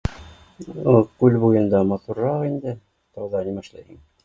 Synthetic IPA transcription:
kʉlbujɤ̆nd̪ɑmɑt̪uɾːɑqind̪ɘ | t̪ɑwðɑnimɑʃlˠɑjḭŋ

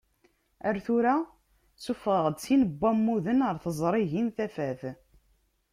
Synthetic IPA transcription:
æɾθuɾa | sufʁəʁəd̪t͡sːinəbʷːæmːuðənʁəɾθəzˤɾˤiʝinθæfæθ

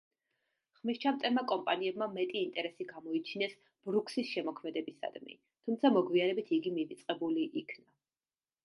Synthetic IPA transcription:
χmist͡ʃʰamt̪ʼɛmakʼɔmpʼaniɛbmamɛt̪ʼiːnt̪ʼɛɾɛsiɡamɔit͡ʃʰinɛs | b̥ɾukʰsisʃɛmɔkʰmɛd̪ɛbisa̰d̪̥mḭ | t̪ʰumt̪sʰamɔɡviaɾɛbit̪ʰiɡimivit̪sʼqʼɛbuliʔːkʰna

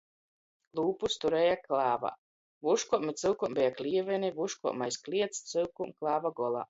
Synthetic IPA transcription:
lˠuːpust̪uɾɛːjaklˠaːva̰ | vuʃkɔmit̪sɨlˠkumbʲɛjaklʲiɛvɛnivuʃkɔɔʔmajsklʲiɛt̪st̪sɨlˠkumklˠaːvaɡɔlˠa̰ː

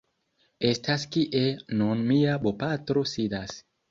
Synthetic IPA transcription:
estaskiʔenunmiabopatɾo̞sidas

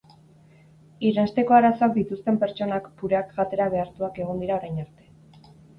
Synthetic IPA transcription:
iɾenst̪e̞ko̞aɾaso̞akd̪it̪ust̪e̞mpe̞ɾt͡ʃo̞nakpuɾe̞akʝat̪e̞ɾaβ̞e̞aɾt̪uake̞ɣ̞o̞nd̪iɾao̞ɾajnaɾt̪e̞

